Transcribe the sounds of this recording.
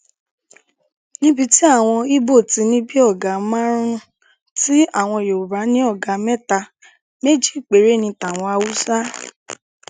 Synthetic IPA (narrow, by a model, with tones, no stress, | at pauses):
nĩ˦bi˧ti˦a˦˨w̃ɔ̃˧i˦bo˦˨ti˨˧˦nĩ˦bi˦ɔ˦˨ɡa˨˦mã˦ɾ̃ũ˦ | ti˦a˦˨w̃ɔ̃˧˨jo˨u˨ɾa˨˦nĩ˦ɔ˦˨ɡa˨˦mɛ˦ta˧ | me˦d͡ʒi˦i˦˨k͡pe˨˦ɾe˨˦˨nĩ˧ta˨w̃ɔ̃˧a˧wu˦sa˦